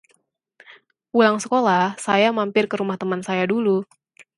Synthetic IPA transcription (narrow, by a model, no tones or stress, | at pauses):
ulaŋsəkolahsajamampɪrkəɾumaht̪əmansajadulu